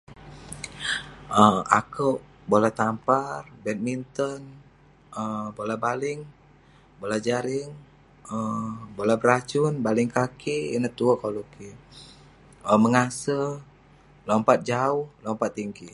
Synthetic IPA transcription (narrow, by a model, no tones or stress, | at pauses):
əa̰kəʔ | bolat̪amparbɛt̪̚mint̪ən | əbolabalɪŋ | bolad͡ʒaɾɪŋ | əbolabəɾat͡ʃʊnbalɪŋkakiḭnəht̪uəkoluki | əməŋasə | lɔmpat̪̚d͡ʒaʊhlɔmpat̪ːiŋɡi